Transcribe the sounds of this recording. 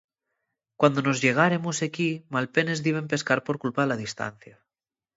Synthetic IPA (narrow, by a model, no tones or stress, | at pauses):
kwand̪ono̞zʝe̞ɣ̞aɾemosekimalpe̞ne̞zðiβ̞emp̬e̞skaɾpo̞ɾkulpaðelaðist̪a̰n̟θja